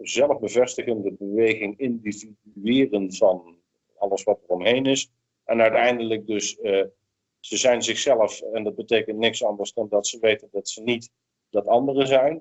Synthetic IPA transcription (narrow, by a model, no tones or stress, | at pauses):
zɛlˠəvbəvɛstəχəndəbəʋejχɪŋɪndividyɪːrənvɑn | ɑlˠəsʋɑtərɔmɦejnɪs | ɛnœɥtɛjndələk̚dɵs | z̥əzɛjnzɪχsɛləfɛndɑd̚bətejkəntnɪksɑndərsd̥ɑndɑtsəʋejtəndɑtsənit | d̥ɑtɑndərəzɛjn